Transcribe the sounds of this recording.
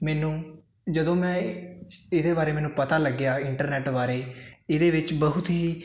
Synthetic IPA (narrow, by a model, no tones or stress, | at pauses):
mɛːnũː | d͡ʒəd̪õːmɛ̃ː | ɪd̪eːbaːɾeːmɛːnũːpət̪aːləɡːjaːɪɳʈəɾnɛːʈbaːɾeːɪd̪eːʋɪt͡ʃbəɦʊt̪ɦiː